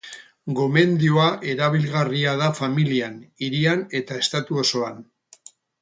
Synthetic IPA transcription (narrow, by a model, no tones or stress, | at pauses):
ɡo̞me̞nd̪ioaʔe̞ɾaβ̞ilɣariað̞afamilianiɾiane̞t̪ae̞st̪at̪uo̞so̞an